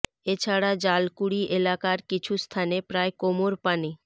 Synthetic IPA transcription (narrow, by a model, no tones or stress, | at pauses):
et͡ɕʰaɽad͡ʑalkuɽiʔelakaɾkit͡ɕʰust̪ʰanepɾaekomoɾpani